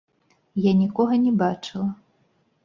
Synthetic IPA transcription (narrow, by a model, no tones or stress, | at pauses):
janʲikɔɣɐnʲɛbat͡ʂɨlˠɐ